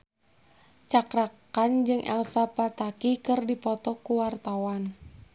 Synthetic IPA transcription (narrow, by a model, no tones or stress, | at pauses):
t͡ʃakɾakand͡ʒɨŋʔɛ̰lsapat̪akikɨrdipɔt̪ɔkuwart̪awan